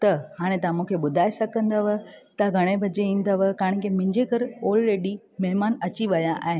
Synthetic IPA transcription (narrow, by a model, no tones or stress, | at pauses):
t̪ɐhaːɽ̃ẽt̪ɐãmũːkʰeɓʊd̪ʱaːesɐɡə̃nd̪əʋət̪ɐɡʱɐɽ̃ebʱɐd͡ʑeĩːn̆d̪əʋɐkãːɪ̃ɽ̃kemɪ̃ɲd͡ʑekɐɾɔːlɾeːɖi | mɐɦmaːnɐt͡ɕiʋɐjaʔa̰ːɦe